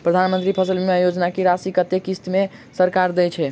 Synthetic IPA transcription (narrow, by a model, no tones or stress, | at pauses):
pɾəd̪ʱanmə̃nt̪ɾipʰəsəlmeajod͡ʒnakeɾasikət̪ekist̪mesəɾkaɾd̪ɛt͡ʃʰɛ